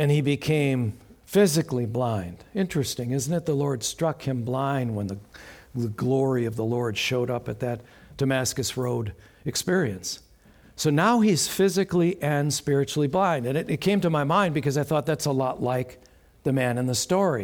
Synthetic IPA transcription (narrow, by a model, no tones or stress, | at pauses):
ɨ̃nibɨkʰẽɪ̃ɱfɪzɨkliblãɪ̃nd̥ɪ̃nt͡ʃɹ̥ɨstɪ̃ŋɪzn̩tɨt̪̚ðəlɔɹd̥stɹ̥ʌkhɨ̃mblãɪ̃nd̚wə̃nðɨɨɡlɔɹiʌvðəlɔɹd̥ʃoʊɾʌpɨt̪̚ðɨt̚ | d̥ɨmæskɨsɹoʊɾ | ɨkspɪɹiɨ̰̃nsː | oʊnaʊiz̥fɪzɨkliʔɨ̃nspɪɹɨt͡ʃul̩ˠiblãɪ̃ndɨ̃nɨɾɨt̚kʰẽɪ̃mtɨmaɪmãɪ̃nbɨkʌzaɪθɔt̪̚ðætsəlɔtˡlaɪk | ðɨmæ̃nɨ̃nðɨstɔɹi